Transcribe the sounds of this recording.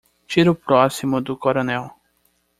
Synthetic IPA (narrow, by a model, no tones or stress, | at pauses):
t͡ʃiɾʊpɾɔsimʊd̪ʊkoɾonɛw